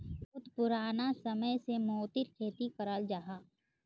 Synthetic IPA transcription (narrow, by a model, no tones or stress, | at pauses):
ʊt̪pʊɾaːnasɐməjsemɔːt̪ɪɾkʰeːt̪ikɐɾəld͡ʒaːɦaː